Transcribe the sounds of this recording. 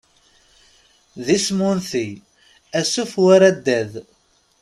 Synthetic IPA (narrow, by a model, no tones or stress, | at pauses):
ðismunθi | æsufwaɾæd̪ːæð